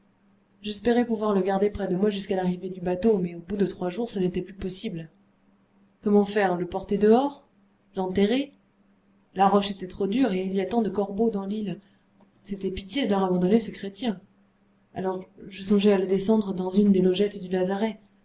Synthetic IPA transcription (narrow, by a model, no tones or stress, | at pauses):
ʒɛspɛʁɛpuvwaʁləɡaʁd̪epχɛd̪əmwaʒyskalaʁived̪ybat̪omɛobud̪ət̪χwaʒuʁsənet̪ɛplypɔsibl | kɔmɑ̃fɛʁləpɔʁt̪ɛd̪əɔʁ | lɑ̃t̪eʁe | laʁɔʃet̪ɛt̪χod̪yʁeiliat̪ɑ̃d̪əkɔʁbod̪ɑ̃lil | set̪ɛpit̪jelaʁabɑ̃d̪ɔnesəkχet̪jɛ̃ | a̰lɔʁʒəsɔ̃ʒɛaləd̪esɑ̃d̪ʁəd̪ɑ̃zynd̪elɔʒɛt̪d̪ylazaʁɛ